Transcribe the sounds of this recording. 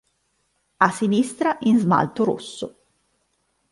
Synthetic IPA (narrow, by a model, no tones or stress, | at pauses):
asːinist̪ɾaʔinzma̰lt̪oɾo̰sːo